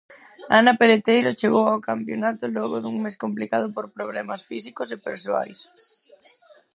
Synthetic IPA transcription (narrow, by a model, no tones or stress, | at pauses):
anapelet̪ejɾʊt͡ʃeɣowawkampjonat̪ʊlɔɣʊðuŋmeskomplikað̞ʊpoɾpɾoβlɛmasfisikʊsepḛɾsoa̰js